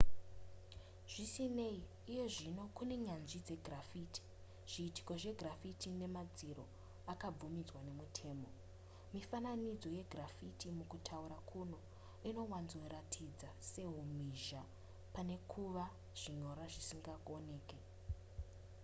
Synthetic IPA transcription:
ʐ̥isine̞iː | je̞ʐino̞kune̞ɲanʐid͡ze̞ɡʱrafiti̥ | ʐ̥iːti̥ko̞ʐe̞ɡrafitʰine̞mad͡ziɾo̞ | akab͡vumid͡zwane̞mutʰe̞ːmo̞ | mifananid͡zo̞je̞ɡrafitʰimukutʰauɾakʰuno̞ | ino̞wanzweɾatʰid͡zase̞ɦumiʒa | pane̞kʰuʋa | ʐ̥iɲo̞ɾaʐisiŋɡaone̞ːke

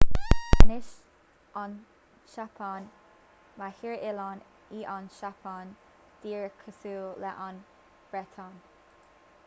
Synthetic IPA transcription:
anɪʃ | ʔɑn | ʃapʰan | mahiɹɪlɑn | iːʔɑnʃapʰaːn | d̪̥iːɹəkʰəsuːlɛʔan | b̥ɹɛt̪ʰɑn

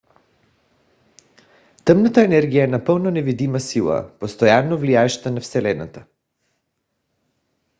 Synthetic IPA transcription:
t̪əmnat̪aɛnɛɾɡijaɛnapəlˠnonɛvid̪imasilˠa̰post̪ojanːovliaɛʃt̪anafsɛlɛna̰t̪a

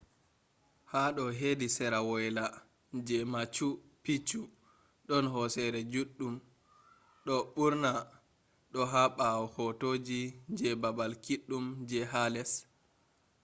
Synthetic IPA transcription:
haɗɔɦedisɛɾawɔjla | d͡ʒɛmat͡ʃupit͡ʃu | ɗɔnɦɔsɛɾɛd͡ʒuɗːum | ɗɔɓuɾna | ɗɔɦaɓawɔhɔtod͡ʒid͡ʒɛbabalkiɗːumd͡ʒɛɦalɛs

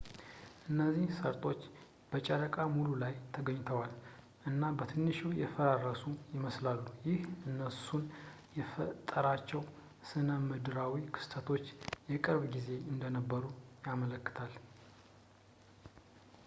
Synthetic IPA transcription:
ʔɨnːəzːihsəɾt̪ʰʼo̞t͡ʃː | b̥ət͡ʃʼəɾəkʼamululajt̪ʰəɡəɲːt̪ʰəwal | ʔɨnːabət̪ʰɨnːɨʃujɛfəɾarːəsujɪməslalːujɪhɨnːəsun | jɛfət̪ʼːəɾat͡ʃːɛw | sɨnəmɨd̪ɨɾawikʰɨ̥st̪ʰət̪ʰo̞t͡ʃːjɛkʼəɾβɡize̞ɨnd̪ənəbːəɾujamələkːɨ̥t̪ʰal

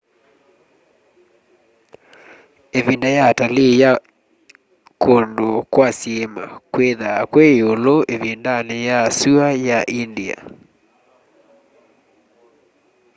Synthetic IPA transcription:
evindajatalija | kondokwasiema̰kweðakwɛoloʔevindanejasuajaʔindia̰

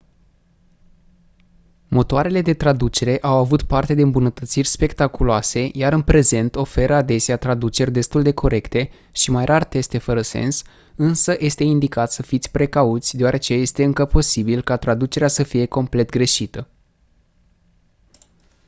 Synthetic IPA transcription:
mo̞t̪oaɾe̞le̞d̪e̞t̪ɾad̪ut͡ʃe̞ɾe̞ʔawavut̪part̪e̞d̪e̞ɨmbunət̪ət̪sirʲspe̞kt̪akuloase̞jaɾɨnpɾe̞ze̞nt̪o̞fe̞ɾəad̪e̞seat̪ɾad̪ut͡ʃe̞rʲd̪e̞st̪uld̪e̞kʰo̞ɾe̞kt̪e̞ | ʃimajrʔart̪e̞st̪e̞fəɾəse̞̰ns | ɨnsəjʔe̞st̪e̞ind̪ikat̪səfit̪sʲpɾe̞kaut̪sʲd̪ewaɾe̞t͡ʃe̞je̞st̪e̞ɨŋkəpo̞sibilkat̪ɾad̪ut͡ʃe̞ɾeasəfije̞ko̞mple̞t̪ɡɾe̞ʃit̪ə

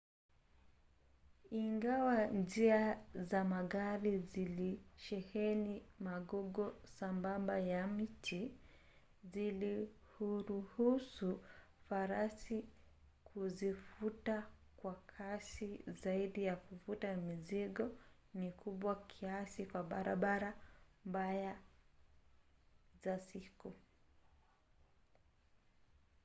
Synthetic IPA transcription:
iŋɡawand͡ʒiazamaɣaɾiziliʃɛhɛnimaɡɔɡɔsambambajam̩tʰi | zili | huɾuhusufaɾasi | kʰuzifutakwakʰasizaiɗijakufutamiziɠɔ | nikʰuɓwakʰiasikwaɓaɾaɓaɾambaja | zasiku

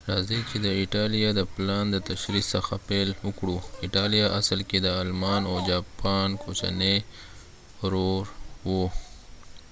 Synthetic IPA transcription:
ɾɑzit͡ʃed̪əɪʈɑlijɑd̪əplɑnd̪ət̪aʃɾisəxapelwʊkɽuɪʈɑlijaʔasəlked̪əalmɑnowd͡ʒɑpɑnkʰot͡ʃa̰ne | ɾoɾwo

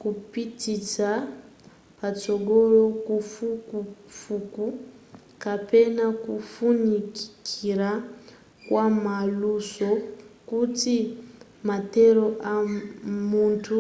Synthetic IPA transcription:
kupitisa | pat͡ʃɔɡɔɾɔkufukufuku | kapɛnakufuniki̥kʰiɾa | kwamalusɔkuti | matɛɾɔʔamuntʰu

